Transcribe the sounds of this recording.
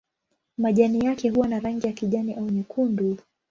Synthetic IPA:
maʄanijakɛɦuwanaɾaŋɡijakiʄaniʔauɲɛkʰundu

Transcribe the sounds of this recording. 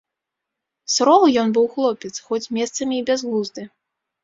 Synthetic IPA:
sɾɔlˠjɔnbɨwxlˠɔpʲɛt̪sxɔt͡sʲmʲɛst̪sɐmʲiːbʲɛzɣˠuzd̪ɨ

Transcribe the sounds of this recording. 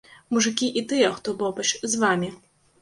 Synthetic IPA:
muʐɨkʲiʔit̪ɨjɛxt̪ɔbɔbɐt͡ʃzʋamʲi

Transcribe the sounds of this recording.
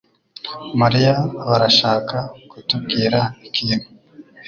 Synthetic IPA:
maɾijaβaɾaʃaːkakutubɡiːɾaikʰimo

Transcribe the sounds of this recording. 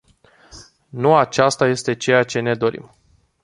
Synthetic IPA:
nuat͡ʃast̪aje̞st̪e̞t͡ʃe̞jat͡ʃe̞ne̞d̪o̞ɾḭm

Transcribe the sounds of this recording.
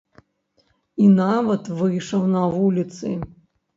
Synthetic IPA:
inavɐt̪vɨjʂɐwnɐvulʲit̪sɨ̰

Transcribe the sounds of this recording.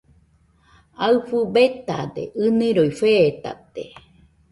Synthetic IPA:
aɨfɨbet̪ad̪ḛʔɨniɾoifet̪a̰t̪ḛ

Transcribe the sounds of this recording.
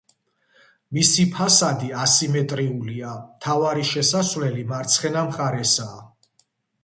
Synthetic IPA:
misipʰasad̪iasimɛt̪ʼɾiuliamt̪ʰavaɾiʃɛsasvlɛlimaɾt̪sʰχɛnamχaɾɛsaː

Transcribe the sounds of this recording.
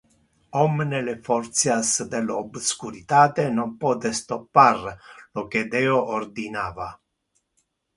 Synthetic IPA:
omnelefoɾt̪sjasd̪elobskuɾit̪at̪enopot̪est̪opːarloked̪eoʔord̪inaːva

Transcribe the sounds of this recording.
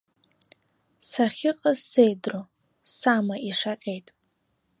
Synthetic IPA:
saχʲɪqʼaz̥ːe̞jdro | samaʔiʂaqʲʼe̞jtʼ

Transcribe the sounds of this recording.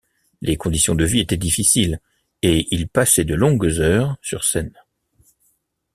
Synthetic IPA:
lʔekɔ̃d̪isjɔ̃d̪əviet̪ɛd̪ifisil | eilpasɛd̪əlɔ̃ɡzœːʁsy̰ʁsɛn

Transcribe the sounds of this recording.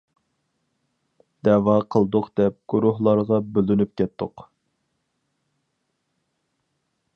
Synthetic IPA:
d̪̥ɛwɑqʰəlˠd̪ʊqd̪̥ɛp̚ɡ̥uɾʊhlˠɑɾʁɑbølynyp̚kʲɛt̪ʰːʊq

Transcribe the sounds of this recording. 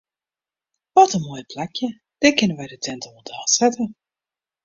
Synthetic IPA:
ʋɔtənmuəjpʰlakʰjə | d̥ɪkɪnəʋɛjdətʰɛntɔədaːsɛtə

